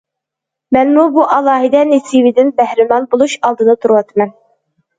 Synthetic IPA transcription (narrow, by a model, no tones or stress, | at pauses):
mɛnmubuʔɑlˠɑːɦɪd̪ɛnesiwɪd̪ɪnbæhɾɪmɑnbolˠuʃɑlˠd̪ɨnɑt̪ʰuɾuwɑt̪ʰmɛn